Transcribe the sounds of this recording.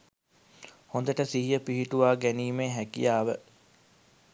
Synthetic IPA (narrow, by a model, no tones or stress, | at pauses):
hond̪əʈəsiɦijəpiɦiʈuʋaːɡæniːmeːɦækḭjaːʋə